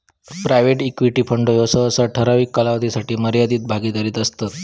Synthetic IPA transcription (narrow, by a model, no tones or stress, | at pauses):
pɾajʋeʈikʋiʈiːpʰəɳɖojosəəsaʈʰəɾaʋiːkːalaʋəd̪isaʈiːməɾjad̪iːt̪̚bʱaɡiːd̪aɾiːt̪əst̪at̪